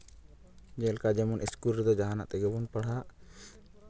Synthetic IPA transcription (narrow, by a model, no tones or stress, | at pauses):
d͡ʒɛlkad͡ʒɛmɔnʔiskulɾɛd̪ɔd͡ʒaɦana̰ʔt̪ɛɡɛbɔnpaɽ̤aʔ